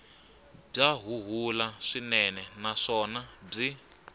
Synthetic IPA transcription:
b͡ʐaɦuɦulaʂinɛnɛnaʂɔnab͡ʐi

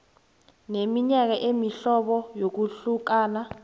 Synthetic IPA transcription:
nemiɲak̬aʔemiɬɔɓɔjok̬uɬuk̬aːna

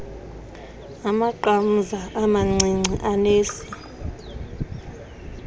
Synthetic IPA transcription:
amaǃam̩zaʔamaŋ͡ǀʱiŋ͡ǀʱiʔaneːsi̥

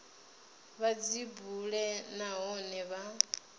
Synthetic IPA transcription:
βad͡zibuɺɛnaɦɔnɛβa

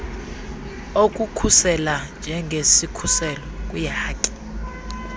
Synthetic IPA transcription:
ok̬ʼukʰusɛland͡ʒʱɛŋɡʱesikʰusɛlɔkʼujahaːkʼi̥

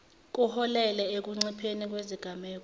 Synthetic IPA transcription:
k̬ʼuhɔlɛlɛek̬uŋ͡ǀipʰenik̬weziɡ̥ʱamɛːk̬ɔ

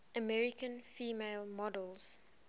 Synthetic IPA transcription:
əmɛɹikə̃nfiːmeɪlmɔdəlˠz̥

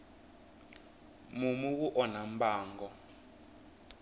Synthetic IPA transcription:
mumuk̬uʔɔnam̩baːŋɡɔ

